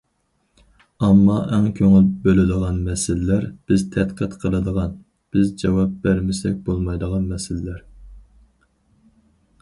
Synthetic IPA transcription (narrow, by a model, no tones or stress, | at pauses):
ɑmːɑʔɛŋkʲʰøŋylbølɪd̪əʁɑnmɛsɪlɪlæɾb̥ɪzt̪ʰɛt̪qʰət̪qʰəlˠɨd̪əʁɑn | b̥ɪzd͡ʒɛwɑp̚bæɾmɪsɛk̚ʲbolˠmɑjd̪əʁɑnmɛsɪlɪlæɾ